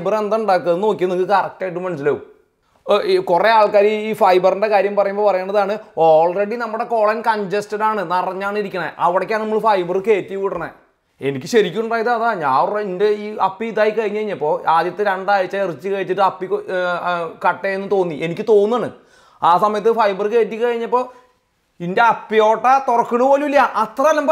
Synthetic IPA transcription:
bɐrend̪auɳɖaːkːɐnːno̞ːkʲːiuɐnikːɨkɐrɐk̚ʈːɐʈːumɐns̬ilo | kure̞aːlkaːɾiiːfɐjbɐrɨnɖekaːɾjɐmpɐrɐjumbo̞ːpɐrɐjeːɳɖɐðaːɳɨoːɭre̞ɽinɐmːuɽe̞ko̞ːɭɐnkɐɲd͡ʑestɐɽaːɳɨnɐrɐɲːaːɳiɾikʲːɐɳɐʔɐʋiɽɐkʲːaːnɐmːɐɭfɐjbɐrɨke̞ːtːijkiʈːɐɳːḛ | e̞nikʲːɨɕɐɾikʲːuuɳɖaːjɐt̪ːɨɐðaːɲaːinde̞iːɐpːiiðaːjikɐɻiɲːkɐɻiɲːɐpːo̞ːɾaːd̪jɐt̪ːɨɾeɳɖaːɻit͡ɕːairit͡ɕːɨkɐɻit͡ɕːitːɨɐpːik | kɐʈːeenːɨt̪o̞ːnːiʔenikʲːɨt̪o̞ːnːaːɳɨ̰ | aːsɐmɐjɐt̪ːɨfɐjbɐrkːe̞ːtːikːɨkɐɻiɲːɐpːo̞ː | inde̞ɐpːijo̞ːʈːɐt̪orɐkːuɳːupoːluilːɐʔɐt̪rɐɐlːɐmb

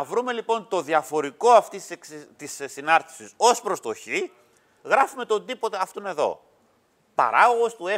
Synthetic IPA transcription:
ɐvɾume̞lipo̞nt̪o̞ðiɐfo̞ɾiko̞ɐft̪isekt̪issinɐɾt̪i̥siso̞spɾo̞st̪o̞çi | ɣɾɐfume̞t̪ond̪ipo̞t̪eɐft̪one̞ðo̞̰ | pɐ̰ɾɐɣo̞ɣo̞st̪ue

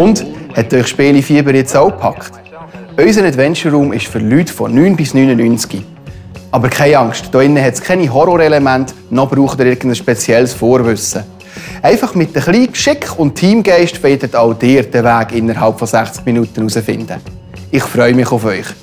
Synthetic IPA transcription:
ʊndhɛtœʏχʃpeːlifiːəbəɾjɛt͡soʊpʰɑ̰kt | œʏs̬ənɛdvɛnt͡ʃərːuːmɪʃfʏɾlytfɔ̰nyːnbɪsnyːnənynt͡ski | ɑbəɾkʰχɛɪɑŋstd̥ɔːɪnːəɦɛtskʰɛniɦɔɾɔɾɛlɛmænt | nɔbɾuːχtɾɪːɾɡ̥ən̩dəsʃpɛt͡sjɛlsfoːɾvʏsə | ɛɪfɑχmɪt̚ːəχliːkʃɪkχʊnttʰːiːmɡɛɪʃtʋɛːdətaʊd̥ɪːɾd̥ɛvæːɡɪnːəɾɦɑlpfɔsæχt͡skminutənusəfɪ̰nd̥ə̰ | ɪχfɾœʏmɪχʊfœʏχ

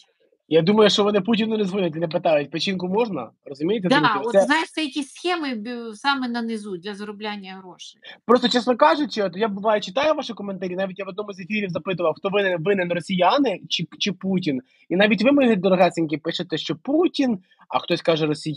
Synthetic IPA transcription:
jad̪umɐjʊʃt͡ʃɔʋɔnɪputʲinʊnezʋɪnʊtʲinɛp̬ɪt̪ɑjʊt̚ʲpɔt͡ʃinkʊmɔʒnɐ̰rɔzʊmʲijt̪ɛɛnajɪʃsɛjɐkʲisxɛmɪsɑmɛnɐnɪzud̪lʲɐzɐɾʊblʲanʲːɐɦɾɔʃɪ̥pɾɔst̪ɔt͡ʃɛsnɔkɑʒʊt͡ʃɪɔt̪jabʊʋɑjʊt͡ʃɪt̪ɑjʊʋɑʃɪkɔment̪ɐɾʲinɑʋʲitʲjaʋɔd̪nɔmʊzʲefʲiɾʲiwzɐpɪt̪̬ʊʋɐwxt̪ɔʋɪnɛʋɪnɛnrɔsʲijanɪt͡ʃɪt͡ʃɪputʲin | inɑʋʲitʲʋɪmɪnɪt̪ʲd̪ɔɾɔɦɑsʲɪnʲk̬ʲɪpɪʃet̪ɛʃt͡ʃɔputʲin | ɐ̰xt̪ɔsʲkɑʒɛɾɔsʲij

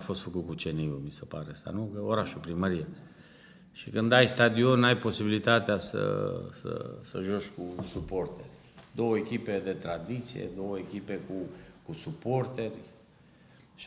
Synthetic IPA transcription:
afo̞st̪fəkut̪̚kut͡ʃeniumisepaɾesa̰nukəoɾaʃupɾiməɾie | ʃikɨnd̪ajst̪ad̪io̞najpo̞sibilit̪at̪easə̰sə̰sə̰ʒoʃkusupo̞rt̪erʲ | d̪o̞wəekʲipe̞d̪e̞t̪ɾad̪it̪sḭje̞̰d̪o̞wəekʲipe̞kukusupo̞rt̪erʲ | ʃ

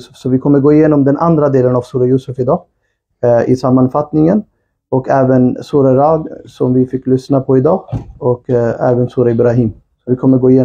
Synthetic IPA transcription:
sfsɔvɪkʰɔmːəɾɡoːɪjeːnɔmd̪ɛnʔand̪ɾad̪eːlənavsuːɾajuːsɵfɪd̪ɑː | ʔɪsamːanfat̪nɪŋən | ɔkɛːvənsuːɾaɾaːd̪sɔmvɪfɪkːlʏsnapʰɔɪd̪ɑːɔkɛ̰ːvənsuːɾaɪbɾaɦiːm | sɔvɪkʰɔmːəɾɡoːɪjeː

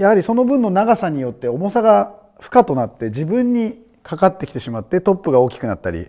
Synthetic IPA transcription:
jahaɾʲiso̞no̞bɯ̟̃nːo̞naɡasaɲ̟ijo̞t̪ːe̞o̞mo̞saɡa | ɸɯ̟̥kat̪o̞nat̪ːe̞d͡ʑibɯ̟̃ɲ̟ːi | kʰakat̪ːe̞kʲi̥t̪e̞ɕimat̪ːe̞t̪o̞pːɯɡao̞ːkʲi̥kɯnat̪ːa̰ɾʲḭ

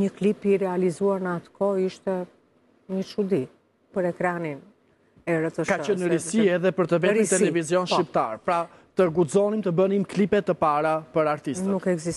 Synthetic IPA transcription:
ɲəklipirɛalizuaɾnəat̪ə̥kɔiʃt̪ɛ | ɲəʃud̪i | pəɾɛkɾanin | ɛɾət̪əʃkat͡ʃənəɾisiɛðɛpəɾt̪əvɛd̪imt̪ɛlɛvizjɔnʃip̚t̪a̰ɾpɾa | t̪əɡuzɔnimt̪əbənimklipɛt̪ːəpaɾapəɾaɾt̪ist̪ənukɛɡzis

